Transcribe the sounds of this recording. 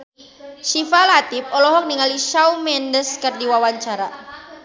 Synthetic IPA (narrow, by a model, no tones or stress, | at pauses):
ʃifalat̪ip̚ɔlɔɦɔk̚niŋaliʃawmɛndəskɨrdiwawaɲt͡ʃaɾa